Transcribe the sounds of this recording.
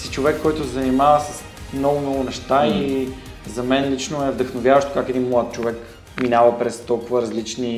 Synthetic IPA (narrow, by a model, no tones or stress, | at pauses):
si̥t͡ʃovɛkːɔjt̪ʊsɛzɐnimavəsəs | mnɔɡʊmnɔɡʊnɛʃt̪ai | zɐmɛnlit͡ʃnoɛvd̪ɐxnovʲjavəʃt̪o̥kakɛd̪inmlˠat̪̚t͡ʃovɛk | minavəpɾɛst̪ɔlˠkʊvəɾɐzlit͡ʃni